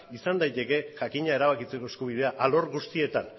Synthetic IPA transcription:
isand̪ajt̪e̞ke̞ʝakiɲae̞ɾaβakit͡se̞ko̞eskuβ̞iðe̞aʔalo̞ɾɣust̪ie̞t̪a̰n

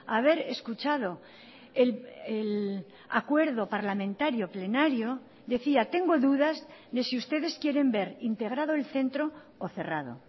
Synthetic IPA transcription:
aβ̞e̞ɾe̞skut͡ʃað̞o̞ | elel | a̰kwe̞ɾðo̞paɾlamẽnt̪aɾjo̞ple̞naɾjo̞ | d̪e̞θiat̪e̞ŋɡo̞ðuðazðesiust̪e̞ðe̞skje̞ɾe̞mbe̞ɾint̪e̞ɣɾaðoelθe̞nt̪ɾo̞ː | θe̞ra̰ð̞o̞̰

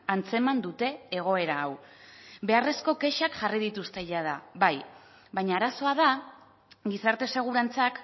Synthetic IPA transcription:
ant͡se̞mand̪ut̪e̞ːɣ̞o̞e̞ɾaawβe̞are̞sko̞ke̞ʃakʝarið̞it̪ust̪e̞ʎað̞aβaj | βaɲaːɾaso̞að̞a | ɡisaɾt̪e̞se̞ɣ̞uɾant͡sak

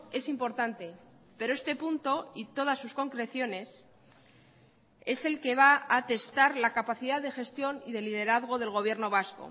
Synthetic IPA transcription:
e̞simpo̞ɾt̪ant̪e̞ | pe̞ɾoest̪e̞punt̪o̞it̪o̞ð̞asːusko̞ŋkɾe̞θjo̞ne̞s | e̞se̞lke̞β̞aat̪e̞st̪aɾlakapaθiðaððe̞xe̞st̪jo̞niðe̞lið̞e̞ɾaðɣ̞o̞ð̞e̞lɣo̞β̞je̞ɾno̞β̞asko̞̰

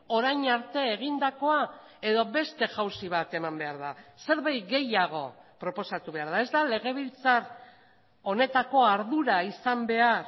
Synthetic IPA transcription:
o̞ɾajɲaɾt̪e̞ːɣ̞ind̪ako̞a | e̞ðo̞βe̞st̪e̞ʝawsiβ̞at̪e̞mambe̞aɾðase̞ɾβajɡe̞jaɣ̞o̞̰pɾo̞po̞sat̪uβe̞aɾð̞aezd̪ale̞ɣ̞e̞β̞ilt͡sar | o̞ne̞t̪ako̞aɾðuɾaisambe̞aɾ

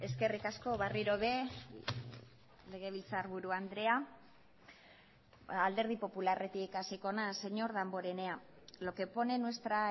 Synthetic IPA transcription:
e̞ske̞rikasko̞βariɾo̞βe̞ | le̞ɣ̞e̞β̞ilt͡saɾβuɾuand̪ɾe̞a | ald̪e̞ɾð̞ipo̞pulare̞t̪ikasiko̞nase̞ɲo̞ɾðambo̞ɾe̞ne̞a | lo̞ke̞po̞ne̞nwest̪ɾa

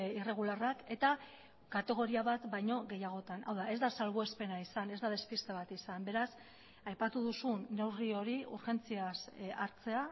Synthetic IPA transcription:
ire̞ɣ̞ularake̞t̪a | kat̪e̞ɣ̞o̞ɾiaβat̪bajɲo̞ɣe̞jaɣ̞o̞t̪anʔa̰wðae̞zd̪asalβoe̞spe̞naisane̞zd̪að̞e̞spist̪e̞β̞at̪isambe̞ɾas | ajpat̪uðusuːe̞wrio̞ɾiuɾxe̞nt͡siasaɾt͡se̞a

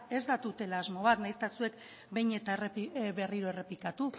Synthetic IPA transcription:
e̞zd̪at̪ut̪e̞laːzmo̞β̞at̪najst̪asue̞k | be̞jɲe̞t̪aerepβe̞riɾo̞e̞re̞pikat̪u

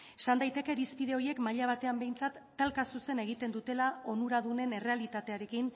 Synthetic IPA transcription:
esand̪ajt̪e̞ke̞ɾispið̞e̞o̞ɾie̞kmaʎaβ̞at̪e̞ambe̞jnt͡sat̪ːalkasuse̞ne̞ɣ̞it̪e̞nd̪ut̪e̞lao̞nuɾað̞une̞ne̞re̞alit̪at̪e̞aɾe̞kin

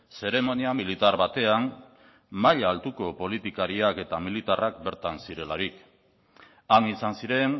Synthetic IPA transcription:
se̞ɾe̞mo̞niamilit̪aɾβat̪e̞an | maʎaːlt̪uko̞po̞lit̪ikaɾiake̞t̪amilit̪arak̚be̞ɾt̪ansiɾe̞laɾik | aŋisansiɾe̞n

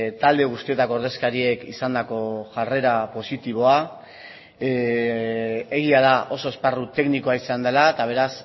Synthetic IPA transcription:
t̪ald̪e̞ɣ̞ust̪ie̞t̪akooɾð̞e̞skaɾie̞kḭsand̪ako̞ʝare̞ɾapo̞sit̪iβ̞o̞a | eɣ̞iaðaʔo̞so̞e̞sparut̪e̞kniko̞aisand̪e̞lat̪aβ̞e̞ɾas

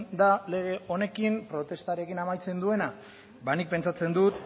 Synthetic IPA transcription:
d̪ale̞ɣ̞e̞o̞ne̞kimpɾo̞t̪e̞st̪aɾe̞kinamajt͡se̞nd̪ue̞na | banik̚pe̞nt͡sat͡se̞nd̪ut̪

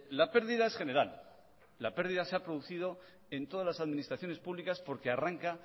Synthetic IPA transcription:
lape̞ɾðiðaesχe̞ne̞ɾal | lape̞ɾðiðaseapɾoðuθiðo̞ | e̞nt̪o̞ðazlasaðmĩnist̪ɾaθjone̞spuβlikaspo̞ɾkearaŋka

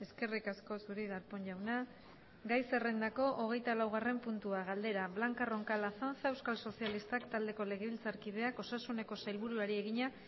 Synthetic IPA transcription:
e̞ske̞rikasko̞suɾiɣaɾpo̞ɲʎawna | ɡajse̞rend̪ako̞ʔoɣ̞e̞jt̪alawɣ̞are̞mpunt̪uaɣ̞ald̪e̞ɾaβlaŋkaro̞ŋkalaθanθaewskalso̞sialist̪akt̪ald̪e̞ko̞le̞ɣeβilt͡saɾkið̞e̞ako̞sasune̞ko̞sajlβuɾuaɾie̞ɣiɲa

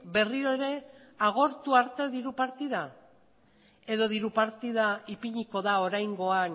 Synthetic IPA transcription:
be̞rio̞eɾe̞ | aɣ̞o̞ɾt̪uaɾt̪e̞ðiɾupaɾt̪iða | e̞ðo̞ðiɾupaɾt̪iðaipiɲiko̞ðao̞ɾajŋɡo̞an

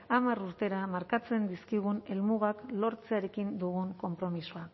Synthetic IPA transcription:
amaɾuɾt̪e̞ɾamaɾkat͡se̞nd̪iskiɣ̞une̞lmuɣaklo̞ɾt͡se̞aɾe̞kind̪uɣ̞uŋko̞mpɾo̞misua

